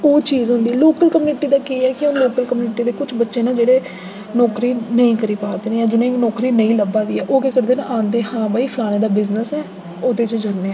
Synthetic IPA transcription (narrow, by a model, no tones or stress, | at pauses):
oːt͡ʃiːzɦʊ̃nd̪iːloːkəlkəmjuːnɪʈiːd̪aːkiːɛːkɪõnloːkəlkəmjuːnɪʈiːd̪eːkʊt͡ʃʰbətːʃeːnãːd͡ʒeːɽeː | nɔːkɾiːnəĩːkəɾiːpaːd̪eːneːjãːd͡ʒɪnẽnɔːkɾiːnəĩːləbãːd̪iːɛːʔoːkeːkəɾd̪eːnãʔãːnd̪eːhãːbaːiːpʰəlaːnẽːd̪aːbɪznəsɛː | oːd̪eːt͡ʃd͡ʒənneːɛ